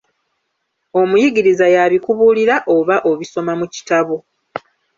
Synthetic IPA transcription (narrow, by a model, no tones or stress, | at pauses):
o̞mujiɟiɾizajaβikuβuliɾaʔo̞βaʔo̞βiso̞mamuci̥taβo